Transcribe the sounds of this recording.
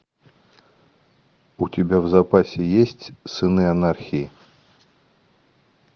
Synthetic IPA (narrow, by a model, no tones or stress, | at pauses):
utʲabʲawzapasʲɛjesʲt͡sʲsɨnɨanarxʲii